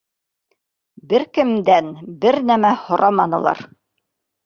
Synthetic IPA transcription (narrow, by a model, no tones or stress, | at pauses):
bɘɾkɘ̆md̪ænbɘɾnæmæhŏɾʔɑmɑnɤ̆lˠɑ̰ɾ